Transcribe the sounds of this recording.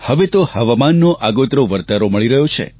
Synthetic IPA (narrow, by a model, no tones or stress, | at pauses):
həʋet̪ohəʋamanːoʔaɡot̪ɾoʋəɾt̪aɾoməɭiɾəɦjot͡ʃʰḛ